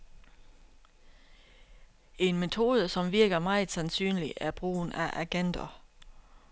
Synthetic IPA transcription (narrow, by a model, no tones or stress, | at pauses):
e̝nme̝t͡sʰo̝ːð̞ˠəsɒ̽mʋiɐɡ̥ɐmɑ̈ɪð̩ˠsænsy̰ːnliʔæb̥ʁṵːnʔæʔæɡ̥end̥ɐ